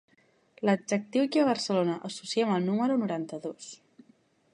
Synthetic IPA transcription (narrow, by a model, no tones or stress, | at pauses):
ləd͡ʒək̚t̪iwkiəβ̞ərsəlonəʔəsusiɛməlˠnuməɾunuɾant̪əðos